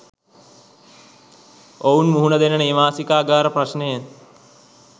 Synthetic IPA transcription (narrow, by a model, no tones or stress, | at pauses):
ownmuɦuɳɐd̪enɐneːmaːsikaːɡaːɾɐprɐʃnejen